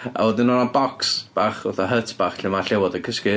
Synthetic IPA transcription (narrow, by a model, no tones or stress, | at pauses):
a̰wɔdɪnɔnabɔksb̥aːχʊθɔɦətʰb̥aχɬɪmaɬɛwɔdəkʰəskɪ